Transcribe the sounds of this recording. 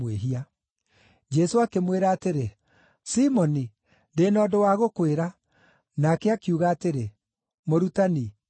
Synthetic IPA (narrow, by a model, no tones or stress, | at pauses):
weɦia | d͡ʒɛsoakemweɾaːteɾe | simɔni | ndeːnɔːdowaɣokweɾa | nakeakiuɣaːteɾe | moɾutani